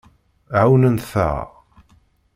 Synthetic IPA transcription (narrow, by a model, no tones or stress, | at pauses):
ʕawnənθə̰